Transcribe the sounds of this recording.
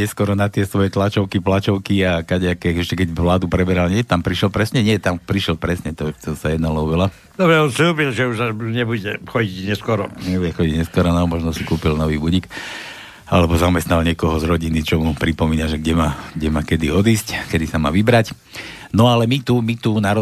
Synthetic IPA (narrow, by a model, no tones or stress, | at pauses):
ɲɛskɔɾɔnat̪ɪɛsʋɔjɛt̪lat͡ʃɔʊkiplat͡ʃɔʊkiakaɟɛakɛixɛʃcɛkɛɟʋlaːd̪upɾɛbɛɾalɲɪɛt̪ampɾiʃɛlpɾɛsɲɛɲɪɛt̪ampɾiʃɛlpɾɛsɲɛt̪ɔt̪ɔsajɛd̪nalɔʊʋɛla | d̪ɔbɾɛɔnsluːbilʒɛuʒaɲɛbuɟɛxɔɟiɟɲɛskɔɾɔɲɛbuɟɛxɔɟiɟɲɛskwɔɾɔnamɔʒnɔsikuːpilnɔʋiːbuɟik | alɛbɔzamɛst̪nalɲɪɛkɔɦɔzɾɔɟinit͡ʃɔmupɾipɔmiːnaʒɛɡɟɛmaːɡɟɛmaːkɛd̪iɔd̪iːsckɛd̪isama̰ːʋibɾac | nɔalɛmit̪umit̪unaɾɔ